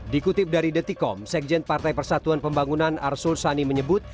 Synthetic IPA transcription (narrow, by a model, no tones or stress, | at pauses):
dikut̪ɪp̚daɾidət̪ikɔ̰msɛk̚d͡ʒɛn̚part̪ajpərsat̪uanpəmbaŋunana̰rsʊlsaniməɲəbʊt̪̚